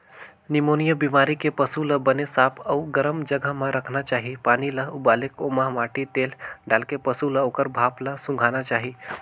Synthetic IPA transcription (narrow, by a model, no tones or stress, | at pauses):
nimonijəbimaːɾikepəsuləbənesaːpʰəuɡəɾəmd͡ʒəɡəɦmãɾʔəkʰnat͡ʃaːɦipaːniləubaːlekomaɦʋaːʈit̪eːlɖaːlkepəsuləoːkəɾbʱaːpləsʊ̃ŋɡʱaːnat͡ʃaːɦi